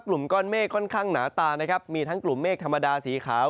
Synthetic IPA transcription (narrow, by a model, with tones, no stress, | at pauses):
klu˨˩mkɔː˥˩nmeː˥˩kʰːɔ˥˩nkʰaː˥˩ŋnaː˩˦t̪aː˧na˦˥kʰa˦˥p̚miː˧t̪ʰa˦˥ŋklu˨˩mːeː˥˩kt̪ʰmːa˧daː˧siː˩˦kʰaː˩˦w